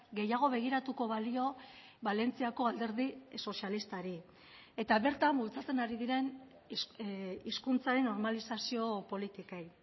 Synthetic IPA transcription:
ɡe̞jaɣ̞o̞βe̞ɣ̞iɾat̪uko̞βalio̞ | βale̞nt͡siako̞ald̪e̞ɾðiso̞sialist̪aɾi | e̞t̪aβe̞ɾt̪ambult͡sat͡se̞naɾiðiɾe̞n | iskunt͡saɾe̞nːo̞ɾmalisasio̞po̞lit̪ikej

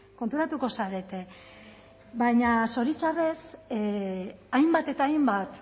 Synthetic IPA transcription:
ko̞nt̪uɾat̪uko̞saɾe̞t̪e̞ | βajɲaso̞ɾit͡ʃaβe̞s | ajmbat̪e̞t̪aːjmbat̪

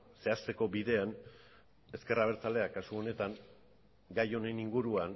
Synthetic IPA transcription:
se̞ast̪e̞ko̞biðe̞an | e̞ske̞raβeɾt͡sale̞akasuo̞ne̞t̪aŋ | ɡajo̞ne̞niŋɡuɾuan

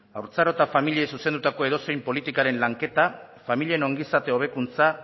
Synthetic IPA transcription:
awɾt͡saɾo̞t̪afamiliejsusend̪ut̪ako̞e̞ð̞o̞se̞jmpo̞lit̪ikaɾe̞nlaŋke̞t̪a | familie̞no̞ŋɡisat̪e̞o̞β̞e̞kunt͡sa

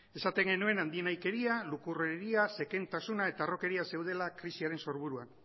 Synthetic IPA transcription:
e̞sat̪e̞ŋɡe̞nue̞nand̪ienajke̞ɾialukureɾiase̞ke̞nt̪asunae̞t̪aro̞ke̞ɾiase̞wð̞e̞lakɾisiaɾe̞nso̞ɾβuɾuan

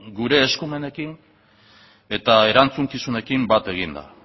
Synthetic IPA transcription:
ɡuɾe̞ːskume̞ne̞kiŋ | e̞t̪ae̞ɾant͡suŋkisune̞kimbat̪e̞ɣ̞ind̪a̰

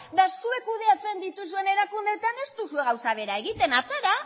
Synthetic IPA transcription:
d̪asue̞kuð̞e̞at͡se̞nd̪it̪us̬ue̞ne̞ɾakund̪e̞t̪ane̞st̪usue̞ɣ̞awsaβ̞e̞ɾae̞ɣ̞it̪e̞nat͡seɾa

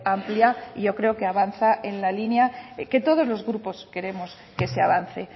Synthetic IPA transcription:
ampljaiʝo̞kɾe̞oke̞aβanθaʔe̞nlalinjake̞t̪o̞ð̞o̞zlo̞zɣɾupo̞ske̞ɾe̞mo̞s | ke̞seaβan̟θe̞

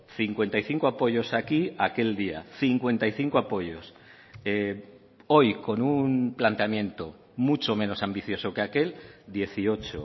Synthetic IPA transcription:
θiŋkwe̞nt̪ajθiŋkoapo̞ʝo̞sakiake̞ld̪ia̰θiŋkwe̞nt̪ajθiŋkoapo̞ʝo̞s | e | o̞jko̞nunplant̪eamjẽ̞nt̪o | mut͡ʃo̞mẽ̞no̞sambiθjo̞sokeake̞ld̪je̞θio̞t͡ʃo̰

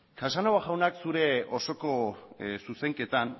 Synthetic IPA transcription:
kasanawaɣawnaksuɾe̞o̞so̞ko̞suse̞ŋke̞t̪an

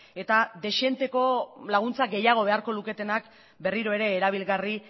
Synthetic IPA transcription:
e̞t̪ad̪e̞ʃe̞nt̪e̞ko̞laɣ̞unt͡saɡe̞jaɣ̞o̞βe̞aɾko̞luke̞t̪e̞nak | be̞riɾo̞e̞ɾe̞ːɾaβ̞ilɣari

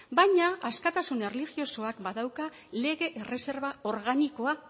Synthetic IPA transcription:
bajɲaaskat̪asune̞rlixjo̞so̞akbaðawka | le̞ɣeʔere̞se̞ɾβao̞ɾɣaniko̞a

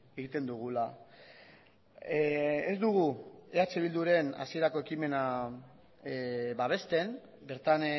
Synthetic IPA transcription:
eɣit̪e̞nd̪uɣ̞ula | ezd̪uɣ̞ue̞at͡se̞β̞ild̪uɾe̞na̰sie̞ɾako̞e̞kime̞na | baβ̞e̞st̪e̞m | be̞ɾt̪an

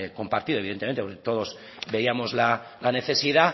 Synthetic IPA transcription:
ko̞mpaɾt̪iðo̞iðet̪eent̪epoɾket̪o̞ð̞o̞z | be̞iamo̞zla | lane̞θe̞siða

